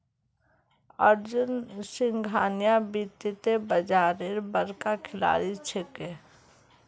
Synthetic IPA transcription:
əɾd͡ʒʊnsɪŋɡʱaːnjabit̪it̪ebəd͡ʒaːɾeɾbəɾkakʰɪla̰ːɾit͡ʃʰeke

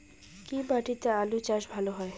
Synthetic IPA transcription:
kibaʈit̪ealut͡ɕaʃbʱaloɦɔe

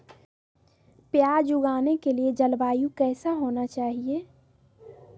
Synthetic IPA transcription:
pjaːd͡ʒʊɡaːnekelied͡ʒɐlbaːjũkɛːsaɦoːnat͡ʃaːɦieː

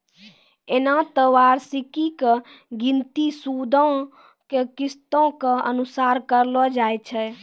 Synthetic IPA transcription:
enat̪əwaːɾsikike | ɡĩnt̪isud̪ʱɔ̃ | kekɪst̪õkeə̰nusaːɾkəɾlɔd͡ʒaːjt͡ʃʰɛ

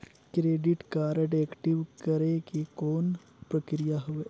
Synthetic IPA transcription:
kɾeːɖɪʈkaːɾeʈeːkʈɪʋkɐɾekikoːn | pɾəkɾijaɦʊe

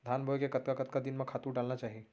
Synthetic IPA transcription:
d̪ʱaːnbʱojkekɐt̪kakɐt̪kad̪ɪnmẽkʰaːt̪uɾɖaːlnat͡ʃaːɦie

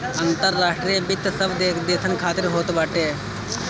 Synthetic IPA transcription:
ənt̪əɾːaːʂʈɾijebɪt̪səb̪ed̪eːk̪ʰənkʰaːt̪ɪɾɦoːt̪baːʈeː

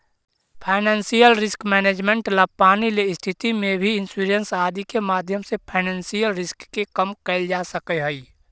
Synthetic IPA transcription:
pʰaɪnɛ̃ːnsijəlɾɪskmɛːneːd͡ʒmẽɳʈlapaːnileɪst̪ʰɪt̪imẽbʱiɪnsuːɾənsaːd̪ikemaːd̪ʱjəmsepʰaɪnɛːnsijəlɾɪskːekəmkɛɪld͡ʒaːsəkeɦɛi

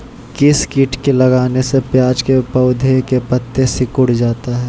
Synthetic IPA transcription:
kɪskɪʈʰkelɐɡaːnesepjaːd͡ʒkepɐʊd̪ʱekepət̪ːesɪkʊɽd͡ʒaːt̪aɦɛː

